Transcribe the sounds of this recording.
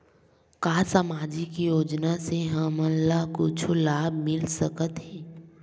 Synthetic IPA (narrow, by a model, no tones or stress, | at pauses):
kaːsaːmaːd͡ʒikijoːd͡ʒnaseɦãmə̃nlakʊt͡ʃʰulaːbmɪlsəkət̪ɦɛ̃ː